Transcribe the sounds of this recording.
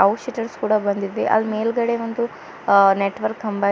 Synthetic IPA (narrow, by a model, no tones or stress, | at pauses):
ɐwʃiʈɐɾskuːɽɐbɐnd̪id̪ʋeʔɐ̰lmeːlɡɐɽeʋɐnd̪u | neʈʋɐɾkːɐmbɐ